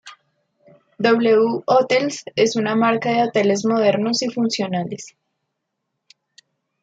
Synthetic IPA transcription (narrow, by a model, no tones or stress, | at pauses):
d̪oβleuot̪else̞sunamaɾkaðe̞ot̪e̞le̞zmo̞ð̞e̞ɾno̞sifunsjo̞nale̞s